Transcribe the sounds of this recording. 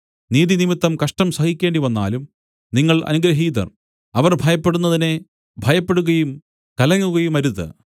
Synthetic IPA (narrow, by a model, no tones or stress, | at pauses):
niːðinimit̪ːɐmkɐʂʈɐmsɐhikʲːe̞ːɳɖiʋɐnːa̰ːlum | niŋːɐɭɐ̰nuɡɾɐɦiːðɐ̰r | ɐʋɐrbʱɐjɐpːeɽunːɐðine | bʱɐjɐpːe̞ɽuɣɐjum | kɐlɐŋːuɣɐjumɐɾuðɨ̰